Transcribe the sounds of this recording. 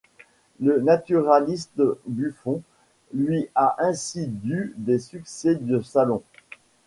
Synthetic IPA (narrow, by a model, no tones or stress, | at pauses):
lənat̪yʁalist̪byfɔ̃ | lɥiaʔɛ̃sid̪yd̪esyksɛd̪əsalɔ̃